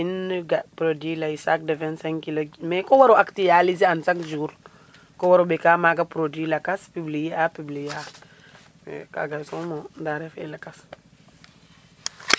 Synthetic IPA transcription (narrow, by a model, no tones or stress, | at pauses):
inɡapɾodilaisak̚dɛvɛnsɛŋkilomɛkowaɾoʔaktijaliziansakd͡ʒuɾ | kowaɾobɛkamaɡapɾodwilakaspibliapiblija | ɛ̰ka̰ɡasomodaɾɛfelakas